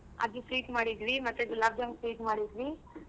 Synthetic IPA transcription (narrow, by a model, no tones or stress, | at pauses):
a̰ːɡisɾiːʈmaːɽid̪ʋimɐt̪ːuɡulaːbd͡ʒaŋsɾiːʈmaːɽid̪ʋi